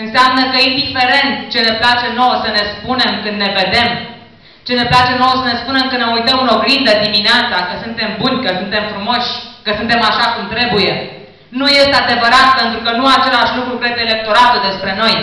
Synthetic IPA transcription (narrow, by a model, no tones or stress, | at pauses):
ɨnseamnəkəind̪ife̞ɾe̞nt̪t͡ʃe̞ne̞plat͡ʃe̞no̞wsəne̞spune̞mkɨnd̪ne̞ve̞d̪e̞m | t͡ʃe̞ne̞plat͡ʃe̞no̞wsəne̞spune̞mkənneujt̪əmɨno̞ɡɾind̪əd̪imineat̪sakəsunt̪e̞mbunʲkəsunt̪e̞mfɾumo̞ʃʲkəsunt̪e̞maʃakumt̪ɾe̞buje̞ | nuje̞st̪ead̪e̞vəɾat̪̚pe̞nt̪ɾukənuat͡ʃe̞laʃʲlukɾukɾe̞d̪eːle̞k̚t̪o̞ɾat̪ud̪e̞spɾe̞no̞j